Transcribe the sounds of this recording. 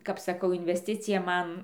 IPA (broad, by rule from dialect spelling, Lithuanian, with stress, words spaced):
kɐp sɐˈkɐʊ ɪnʲʋʲɛsʲˈtʲɪt͡sʲɪjɛ ˈmɐn